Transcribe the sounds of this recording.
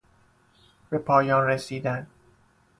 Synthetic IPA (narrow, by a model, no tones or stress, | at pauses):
b̥e̞pʰɒːjɒːnresiːd̪æn